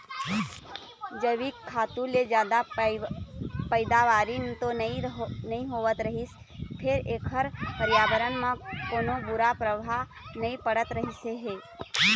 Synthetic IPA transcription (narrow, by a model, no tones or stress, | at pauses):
d͡ʒəʋikʰːaːt̪ũled͡ʒjaːd̪a | pəɪd̪aʋaːɾint̪onɐĩnɐɦĩɦoːʋət̪ɾɐɦis | pʰɪɾeːkʰəɾpəɾjaːbəɾənmãkoːnõbʊɾapɾəbʱaɦ | nɐĩpəɽət̪ɾəɦiseɦeː